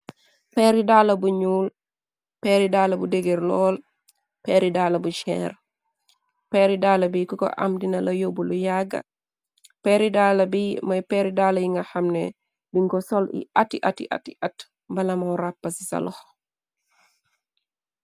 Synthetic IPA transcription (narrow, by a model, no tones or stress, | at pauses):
pɛːɾidaːlɐbuɲuːl | pɛːɾidaːlɐbudeɡeɾlɔːl | pɛɾidaːlɐbuʃɛ̰ːɾ | pɛɾidaːlɐbikɔkɔ̰ʔɐ̰mdinɐlɐjobulujaɡɐ̰ | pɛːɾidaːlɐbimɐjpɛɾidaːlɐjiŋɡɐxɐmnḛ | biŋɡɔsɔlḭʔatiʔatḭʔa̰tiʔat | bɐlɐmawɾapːɐsisɐ̰lɔh